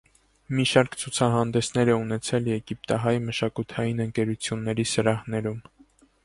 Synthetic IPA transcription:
miʃɑɾkt͡sʰut͡sʰɑɦɑnd̪ɛsnɛɾɛunɛt͡sʰɛljɛɡip̚t̪ɑɦɑjməʃɑkut̪ʰɑjinəŋkɛɾut͡sʰjunːɛɾisəɾɑhnɛɾum

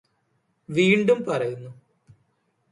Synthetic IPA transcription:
ʋiːɳɖumpɐrɐjunːu

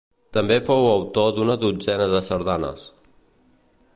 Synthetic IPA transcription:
t̪əmbefowəwt̪od̪unəðud͡zɛnəðəsəɾðanə̰s

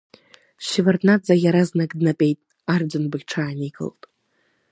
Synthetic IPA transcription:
ʃivarnad͡zʼajaɾaznakʼdnapʼe̞jtʼ | ard͡zɨnbɨʁʲʈ͡ʂʰaːniɡʼɨ̰ltʼ

